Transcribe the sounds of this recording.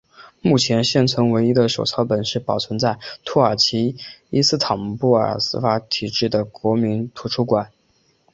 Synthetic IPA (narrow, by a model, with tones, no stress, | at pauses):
mu˥˩t͡ɕʰjɛ˧˥nɕjɛ˥˩nt͡sʰɤ˧˥ŋwe˧˥ɪi˥d̪ə˨ʂo˨˩ʊt͡sʰɑ˧˥ʊpə˨˩nʂɻ̩˥˩pɑ˨˩ʊt͡sʰwə˧˥nt͡sa˥˩ɪt̪ʰɔ˥ə˞˨˩t͡ɕʰi˧˥i˥sɹ̩˥˩t̪ʰɑ˨˩ŋpu˥˩ə̰˞˨˩sɹ̩˥fa˧˥t̪ʰi˨˩ʈ͡ʂɻ̩˥˩d̪ə˩kwɔ˧˥mi˧˥nt̪ʰu˧˥ʈ͡ʂʰu˥kwa˨˩˦n